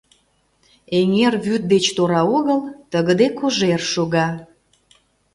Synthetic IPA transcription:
eŋerβyt̪̚d̪et͡ɕt̪oɾɑoɣəlt̪əɣəd̪ekoʒerʃoɣɑ

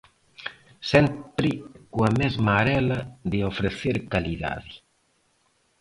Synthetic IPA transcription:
sɛmpɾikwamezmaɾɛlaðeofɾeθeɾkaliða̰ði

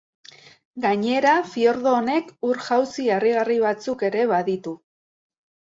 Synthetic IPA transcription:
ɡaɲe̞ɾafio̞ɾðoːne̞kuɾʝawsiariɣariβ̞at͡suke̞ɾe̞βaðit̪u

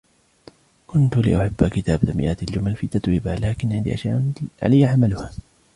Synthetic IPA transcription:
kʊnt̪lɪ̰ʔʊħabːakɪt̪aːbt̪amɪ̰ʔaːt̪ald͡ʒʊmalfiːt̪at̪wiːbalaːkɪnʕɪnd̪iːʔaʃjaːʔʕa̰lajːaʕamalʊhaː

